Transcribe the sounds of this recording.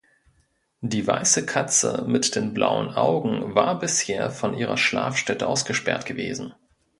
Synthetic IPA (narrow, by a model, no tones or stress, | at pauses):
d̥iːva̰ɪsəkʰat͡sə̰mɪtd̥eːnblʔa̰ʊə̰nʔaʊɡŋ̩vaːɐbɪsheːɐfɔnʔiːʁ̞ɐʃla̰ːfʃtɛtəʔaʊsɡ̥əʃpɛɐtɡ̥əveːzn̩